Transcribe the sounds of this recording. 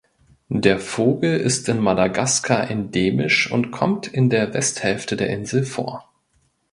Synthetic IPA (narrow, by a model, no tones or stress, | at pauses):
d̥eːɐfoːɡl̩ɪ̰stɪnmadaɡaskʰaʔɛndeːmɪ̰ʃʊ̰ntkʰɔmtʰɪndeːɐvɛsthɛlftədeːɐʔɪnzl̩fo̰ːɐ